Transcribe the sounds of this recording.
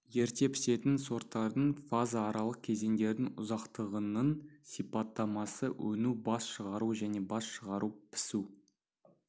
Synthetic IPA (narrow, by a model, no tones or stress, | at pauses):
je̞ɾt̪e̞pʰɪ̥se̞t̪ɪnso̞ɾt̪ːɑɾd̪əɴfazaːɾɑlˠəq̚kʲʰe̞ze̞ŋd̪e̞ɾd̪ɪŋʊzɑqt̪əʁənəɴsijpat̪ːɑmɑsəwɵnubɑsʃəʁɑɾuʒæne̞bɑsʃəʁɑɾupʰɪ̥su